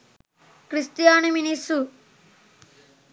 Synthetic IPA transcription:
kɾist̪ijaːniminisu

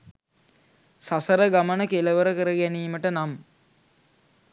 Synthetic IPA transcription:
sasəɾəɡamənəkeləʋəɾəkəɾəɡæniːməʈənam

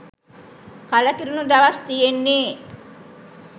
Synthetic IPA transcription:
kalakiɾunud̪aʋast̪ijenːeː

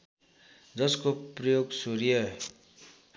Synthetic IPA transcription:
d͡zʌskoprʌjoɡsuɾijʌ

